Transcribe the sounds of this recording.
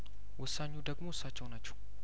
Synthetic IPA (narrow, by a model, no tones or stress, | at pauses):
wʊsaɲːud̪əɡmoʊsːat͡ʃːɛwnat͡ʃːɛw